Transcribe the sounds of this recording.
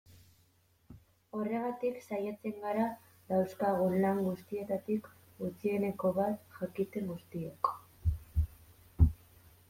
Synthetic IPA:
o̞re̞ɣat̪iksajat͡se̞ŋɡaɾa | ðawskaɣunlaŋɡust̪ie̞t̪at̪ik | ut͡sie̞ne̞ko̞βat̪ʝakit̪e̞ŋɡust̪ieko̥

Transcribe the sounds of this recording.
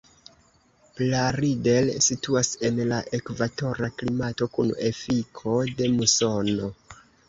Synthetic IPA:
plaɾide̞lsituase̞nlaʔe̞kvato̞ɾaklimato̞kune̞fikʰo̞de̞muso̞no̞

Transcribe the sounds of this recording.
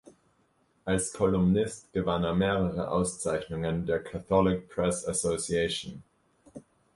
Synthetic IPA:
ʔalskʰɔlʊmnɪstɡ̥əvaneːɐmeːʁəʁə̰ʔa̰ʊst͡saɪçnʊŋəndeːɐkʰaθɔlɪk̚pʰʁ̥ɛsasosiɛʃn

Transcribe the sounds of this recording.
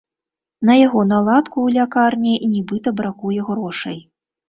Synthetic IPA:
nɐjaɣɔnalˠat̪kuːlʲakarnʲinʲibɨt̪ɐbɾakujɛɣɾɔʂɐ̰j

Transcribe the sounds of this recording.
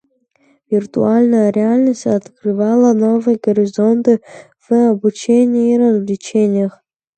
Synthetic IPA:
vʲirt̪ualʲnɐjɐɾʲɪalʲnɐsʲtɐt̪krɨvalˠɐnovɨjɡoɾʲizont̪ɨ | vɨɐbut͡ʃʰenʲɪirɐzlʲit͡ʃʰenʲɪjɐχ

